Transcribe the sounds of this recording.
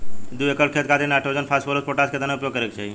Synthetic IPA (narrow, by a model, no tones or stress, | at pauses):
d̪uekəlkʰet̪̚kʰat̪enaʈʰod͡ʒənpʰasʈolospoʈaskʰet̪anaʊupjoɡkəɾekt͡ʃaɦi